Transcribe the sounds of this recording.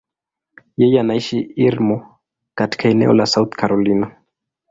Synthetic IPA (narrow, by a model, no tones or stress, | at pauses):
jɛjɛanaiʃiiɾmɔ | kati̥kʰaɛnɛ̰ɔ̰lasauθkaɾɔlina